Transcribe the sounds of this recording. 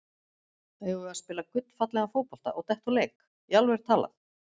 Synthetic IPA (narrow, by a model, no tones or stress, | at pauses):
eːjvʏaðspɪːlakʏt̪n̥fat̪lɛɣafowpɔlt̪a̰ʔɔɣt̪ɛht̪ɔleːjk | jalvɛɾ̥t̪ʰaːla̰θ